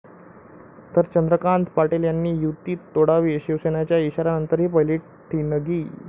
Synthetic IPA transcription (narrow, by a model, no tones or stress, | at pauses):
t̪əɾt͡ɕənd̪ɾəkaɳt̪paʈeljanːiːjut̪iːt̪ːoɽaʋiːɕiʋsenat͡ɕjaiɕaɾanənt̪əɾɦiːpəjliːʈ | ʈʰiːnəɡiː